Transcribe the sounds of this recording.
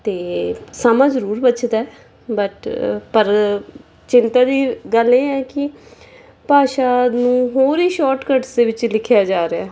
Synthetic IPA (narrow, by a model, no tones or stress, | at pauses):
t̪eːsamãːzəɾuːɾbət͡ʃd̪aːɛː | bəʈpəɾ | t͡ʃɪnt̪aːd̪iːɡəleːɛːkɪ | paːʃaːnũːɦoːɾiːʃɔːɾʈkəʈsd̪eːʋɪt͡ʃlɪkʰjaːd͡ʒaːɾeaː